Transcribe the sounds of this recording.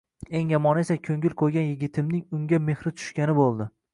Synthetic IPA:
e̞ŋjamɒnesakʲʰɵŋɡʲɪlqʰojɡʲanjɪɡʲɪt̪ʰɪmnɪŋʊŋɡʲame̞hɾɪt̪ʰʊ̥ʃkʲanɪbolˠd̪ɪ

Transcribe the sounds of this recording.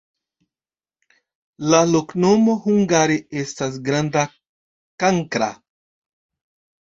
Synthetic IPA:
laloknomohuŋɡaɾeestas̬ɡɾand̪a | kaŋkɾa̰

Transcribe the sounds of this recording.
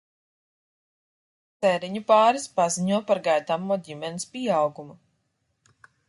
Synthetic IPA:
t̪sɛɾiɲupaːɾispaziɲuɔpaɾɡajd̪amuːd̪ʲimɛnispʲiɛawɡumu

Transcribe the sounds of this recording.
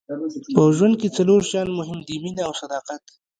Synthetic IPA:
pəʒwand̪̚ket͡saloɾʃjɑnmʊɦɪmd̪iminawsad̪ɑqat̪

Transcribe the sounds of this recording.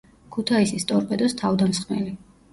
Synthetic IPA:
kʰut̪ʰaisist̪ʼɔɾpʼɛd̪ɔst̪ʰavd̪amsχmɛ̰li

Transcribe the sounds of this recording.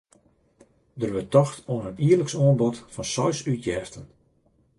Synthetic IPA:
dərʋətɔxtoənəniərləksoənbɔtfɔnsɔɥsytjɛːftən

